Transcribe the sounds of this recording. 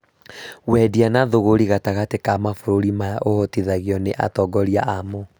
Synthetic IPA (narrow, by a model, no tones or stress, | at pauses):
wɛdianaðoɣoɾiɣataɣatekamafoɾoɾimajaʔohɔtiðaɣiɔneʔa̰tɔɡɔɾiaʔamo